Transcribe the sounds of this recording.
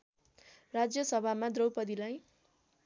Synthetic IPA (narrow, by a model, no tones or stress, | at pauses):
rad͡zjʌsʌbʱamad̪rʌwpʌd̪ilaj